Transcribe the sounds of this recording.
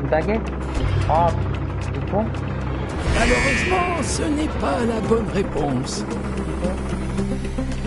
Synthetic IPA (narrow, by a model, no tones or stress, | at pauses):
baɡɛt̪ | ab | ekwa | maløʁøzmɑ̃sənɛpalabɔnʁepɔ̃s